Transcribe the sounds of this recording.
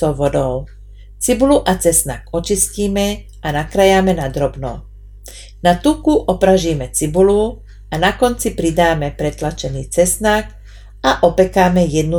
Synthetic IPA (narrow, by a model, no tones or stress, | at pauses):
ɔʋɔd̪ɔʊ | t͡sibuluʔat͡sɛsna̰kɔt͡ʃisciːmɛ | anakɾajamɛnad̪ɾɔbnɔ̰ | nat̪ukuʔɔpɾaʒiːmɛt͡sibulu | ʔanakɔnt͡sipɾid̪aːmɛpɾɛt̪lat͡ʃɛniːt͡sɛsnak | aʔɔpɛkaːmɛjɛd̪̚nu